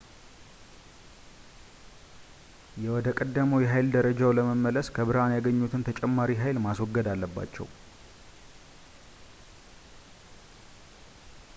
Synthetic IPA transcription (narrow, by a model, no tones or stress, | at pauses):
jɛwɔd̪əkʼəd̪ːəməwjɛɦajld̪əɾəd͡ʒawləməmːələskʰəβɨɾhanjaɡəɲːut̪ʰɨnt̪ʰət͡ʃʼɛmːaɾiɦajlmaswɔɡːəd̪alːəbːa̰t͡ʃːɛ̰w